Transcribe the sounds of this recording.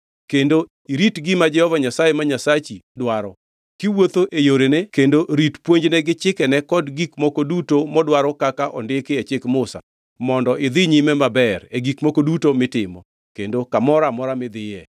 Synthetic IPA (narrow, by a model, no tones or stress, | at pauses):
kendo | iɾitɡɪmad͡ʒɛhɔvaɲasajemaɲasat͡ʃidwaɾɔ | kɪwot̪oʔejoɾenekendoɾitpwoɲd͡ʒnɛɡɪt͡ʃɪkɛnɛkɔdɡikmokodutomɔdwaɾɔkakaʔɔ̰ndɪkɪet͡ʃɪkmʊsa̰ | mɔndɔʔɪd̪ɪɲimɛmabɛɾeɡikmokodutomɪtɪmɔ̰ | kendokamɔɾamɔɾamɪd̪ɪjɛ